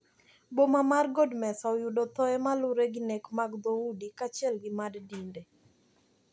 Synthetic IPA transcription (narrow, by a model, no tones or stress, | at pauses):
bomamarɡɔdmɛsaɔjʊdɔt̪ɔɛmalʊɾeɡɪnɛkmaɡd̪ɔudikat͡ʃɪɛlɡɪmaddinde